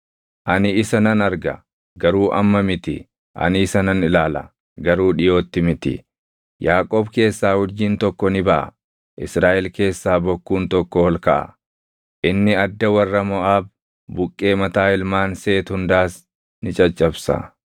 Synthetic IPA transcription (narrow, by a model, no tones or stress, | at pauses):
ʔɐnɪɪsɐnɐnɐɾɡɐ̰ | ɡɐɾuːʔɐ̰mːɐmɪt̪ɪ | ʔɐ̰nɪːsɐnɐnɪlaːlɐ | ɡɐɾuːᶑɪjo̞ːt̪ːɪmɪt̪ɪ̰ | jaːkʼoːbke̞ːsːaːhʊd͡ʒːiːnt̪ɔkːɔnɪbɐʔɐ̰ | ʔɪsɾaːʔɛlke̞ːsːaːbɔkːuːnt̪ɔkːɔhɔlkɐʔɐ̰ | ʔɪnːɪɐd̪ːɐwɐrːɐmɔʔaːb̚ | bʊkʼːe̞ːmɐt̪aːɪlmaːnse̞ːt̪hʊnd̪aːs | nɪt͡ʃʼɐt͡ʃʼːɐbsɐ̰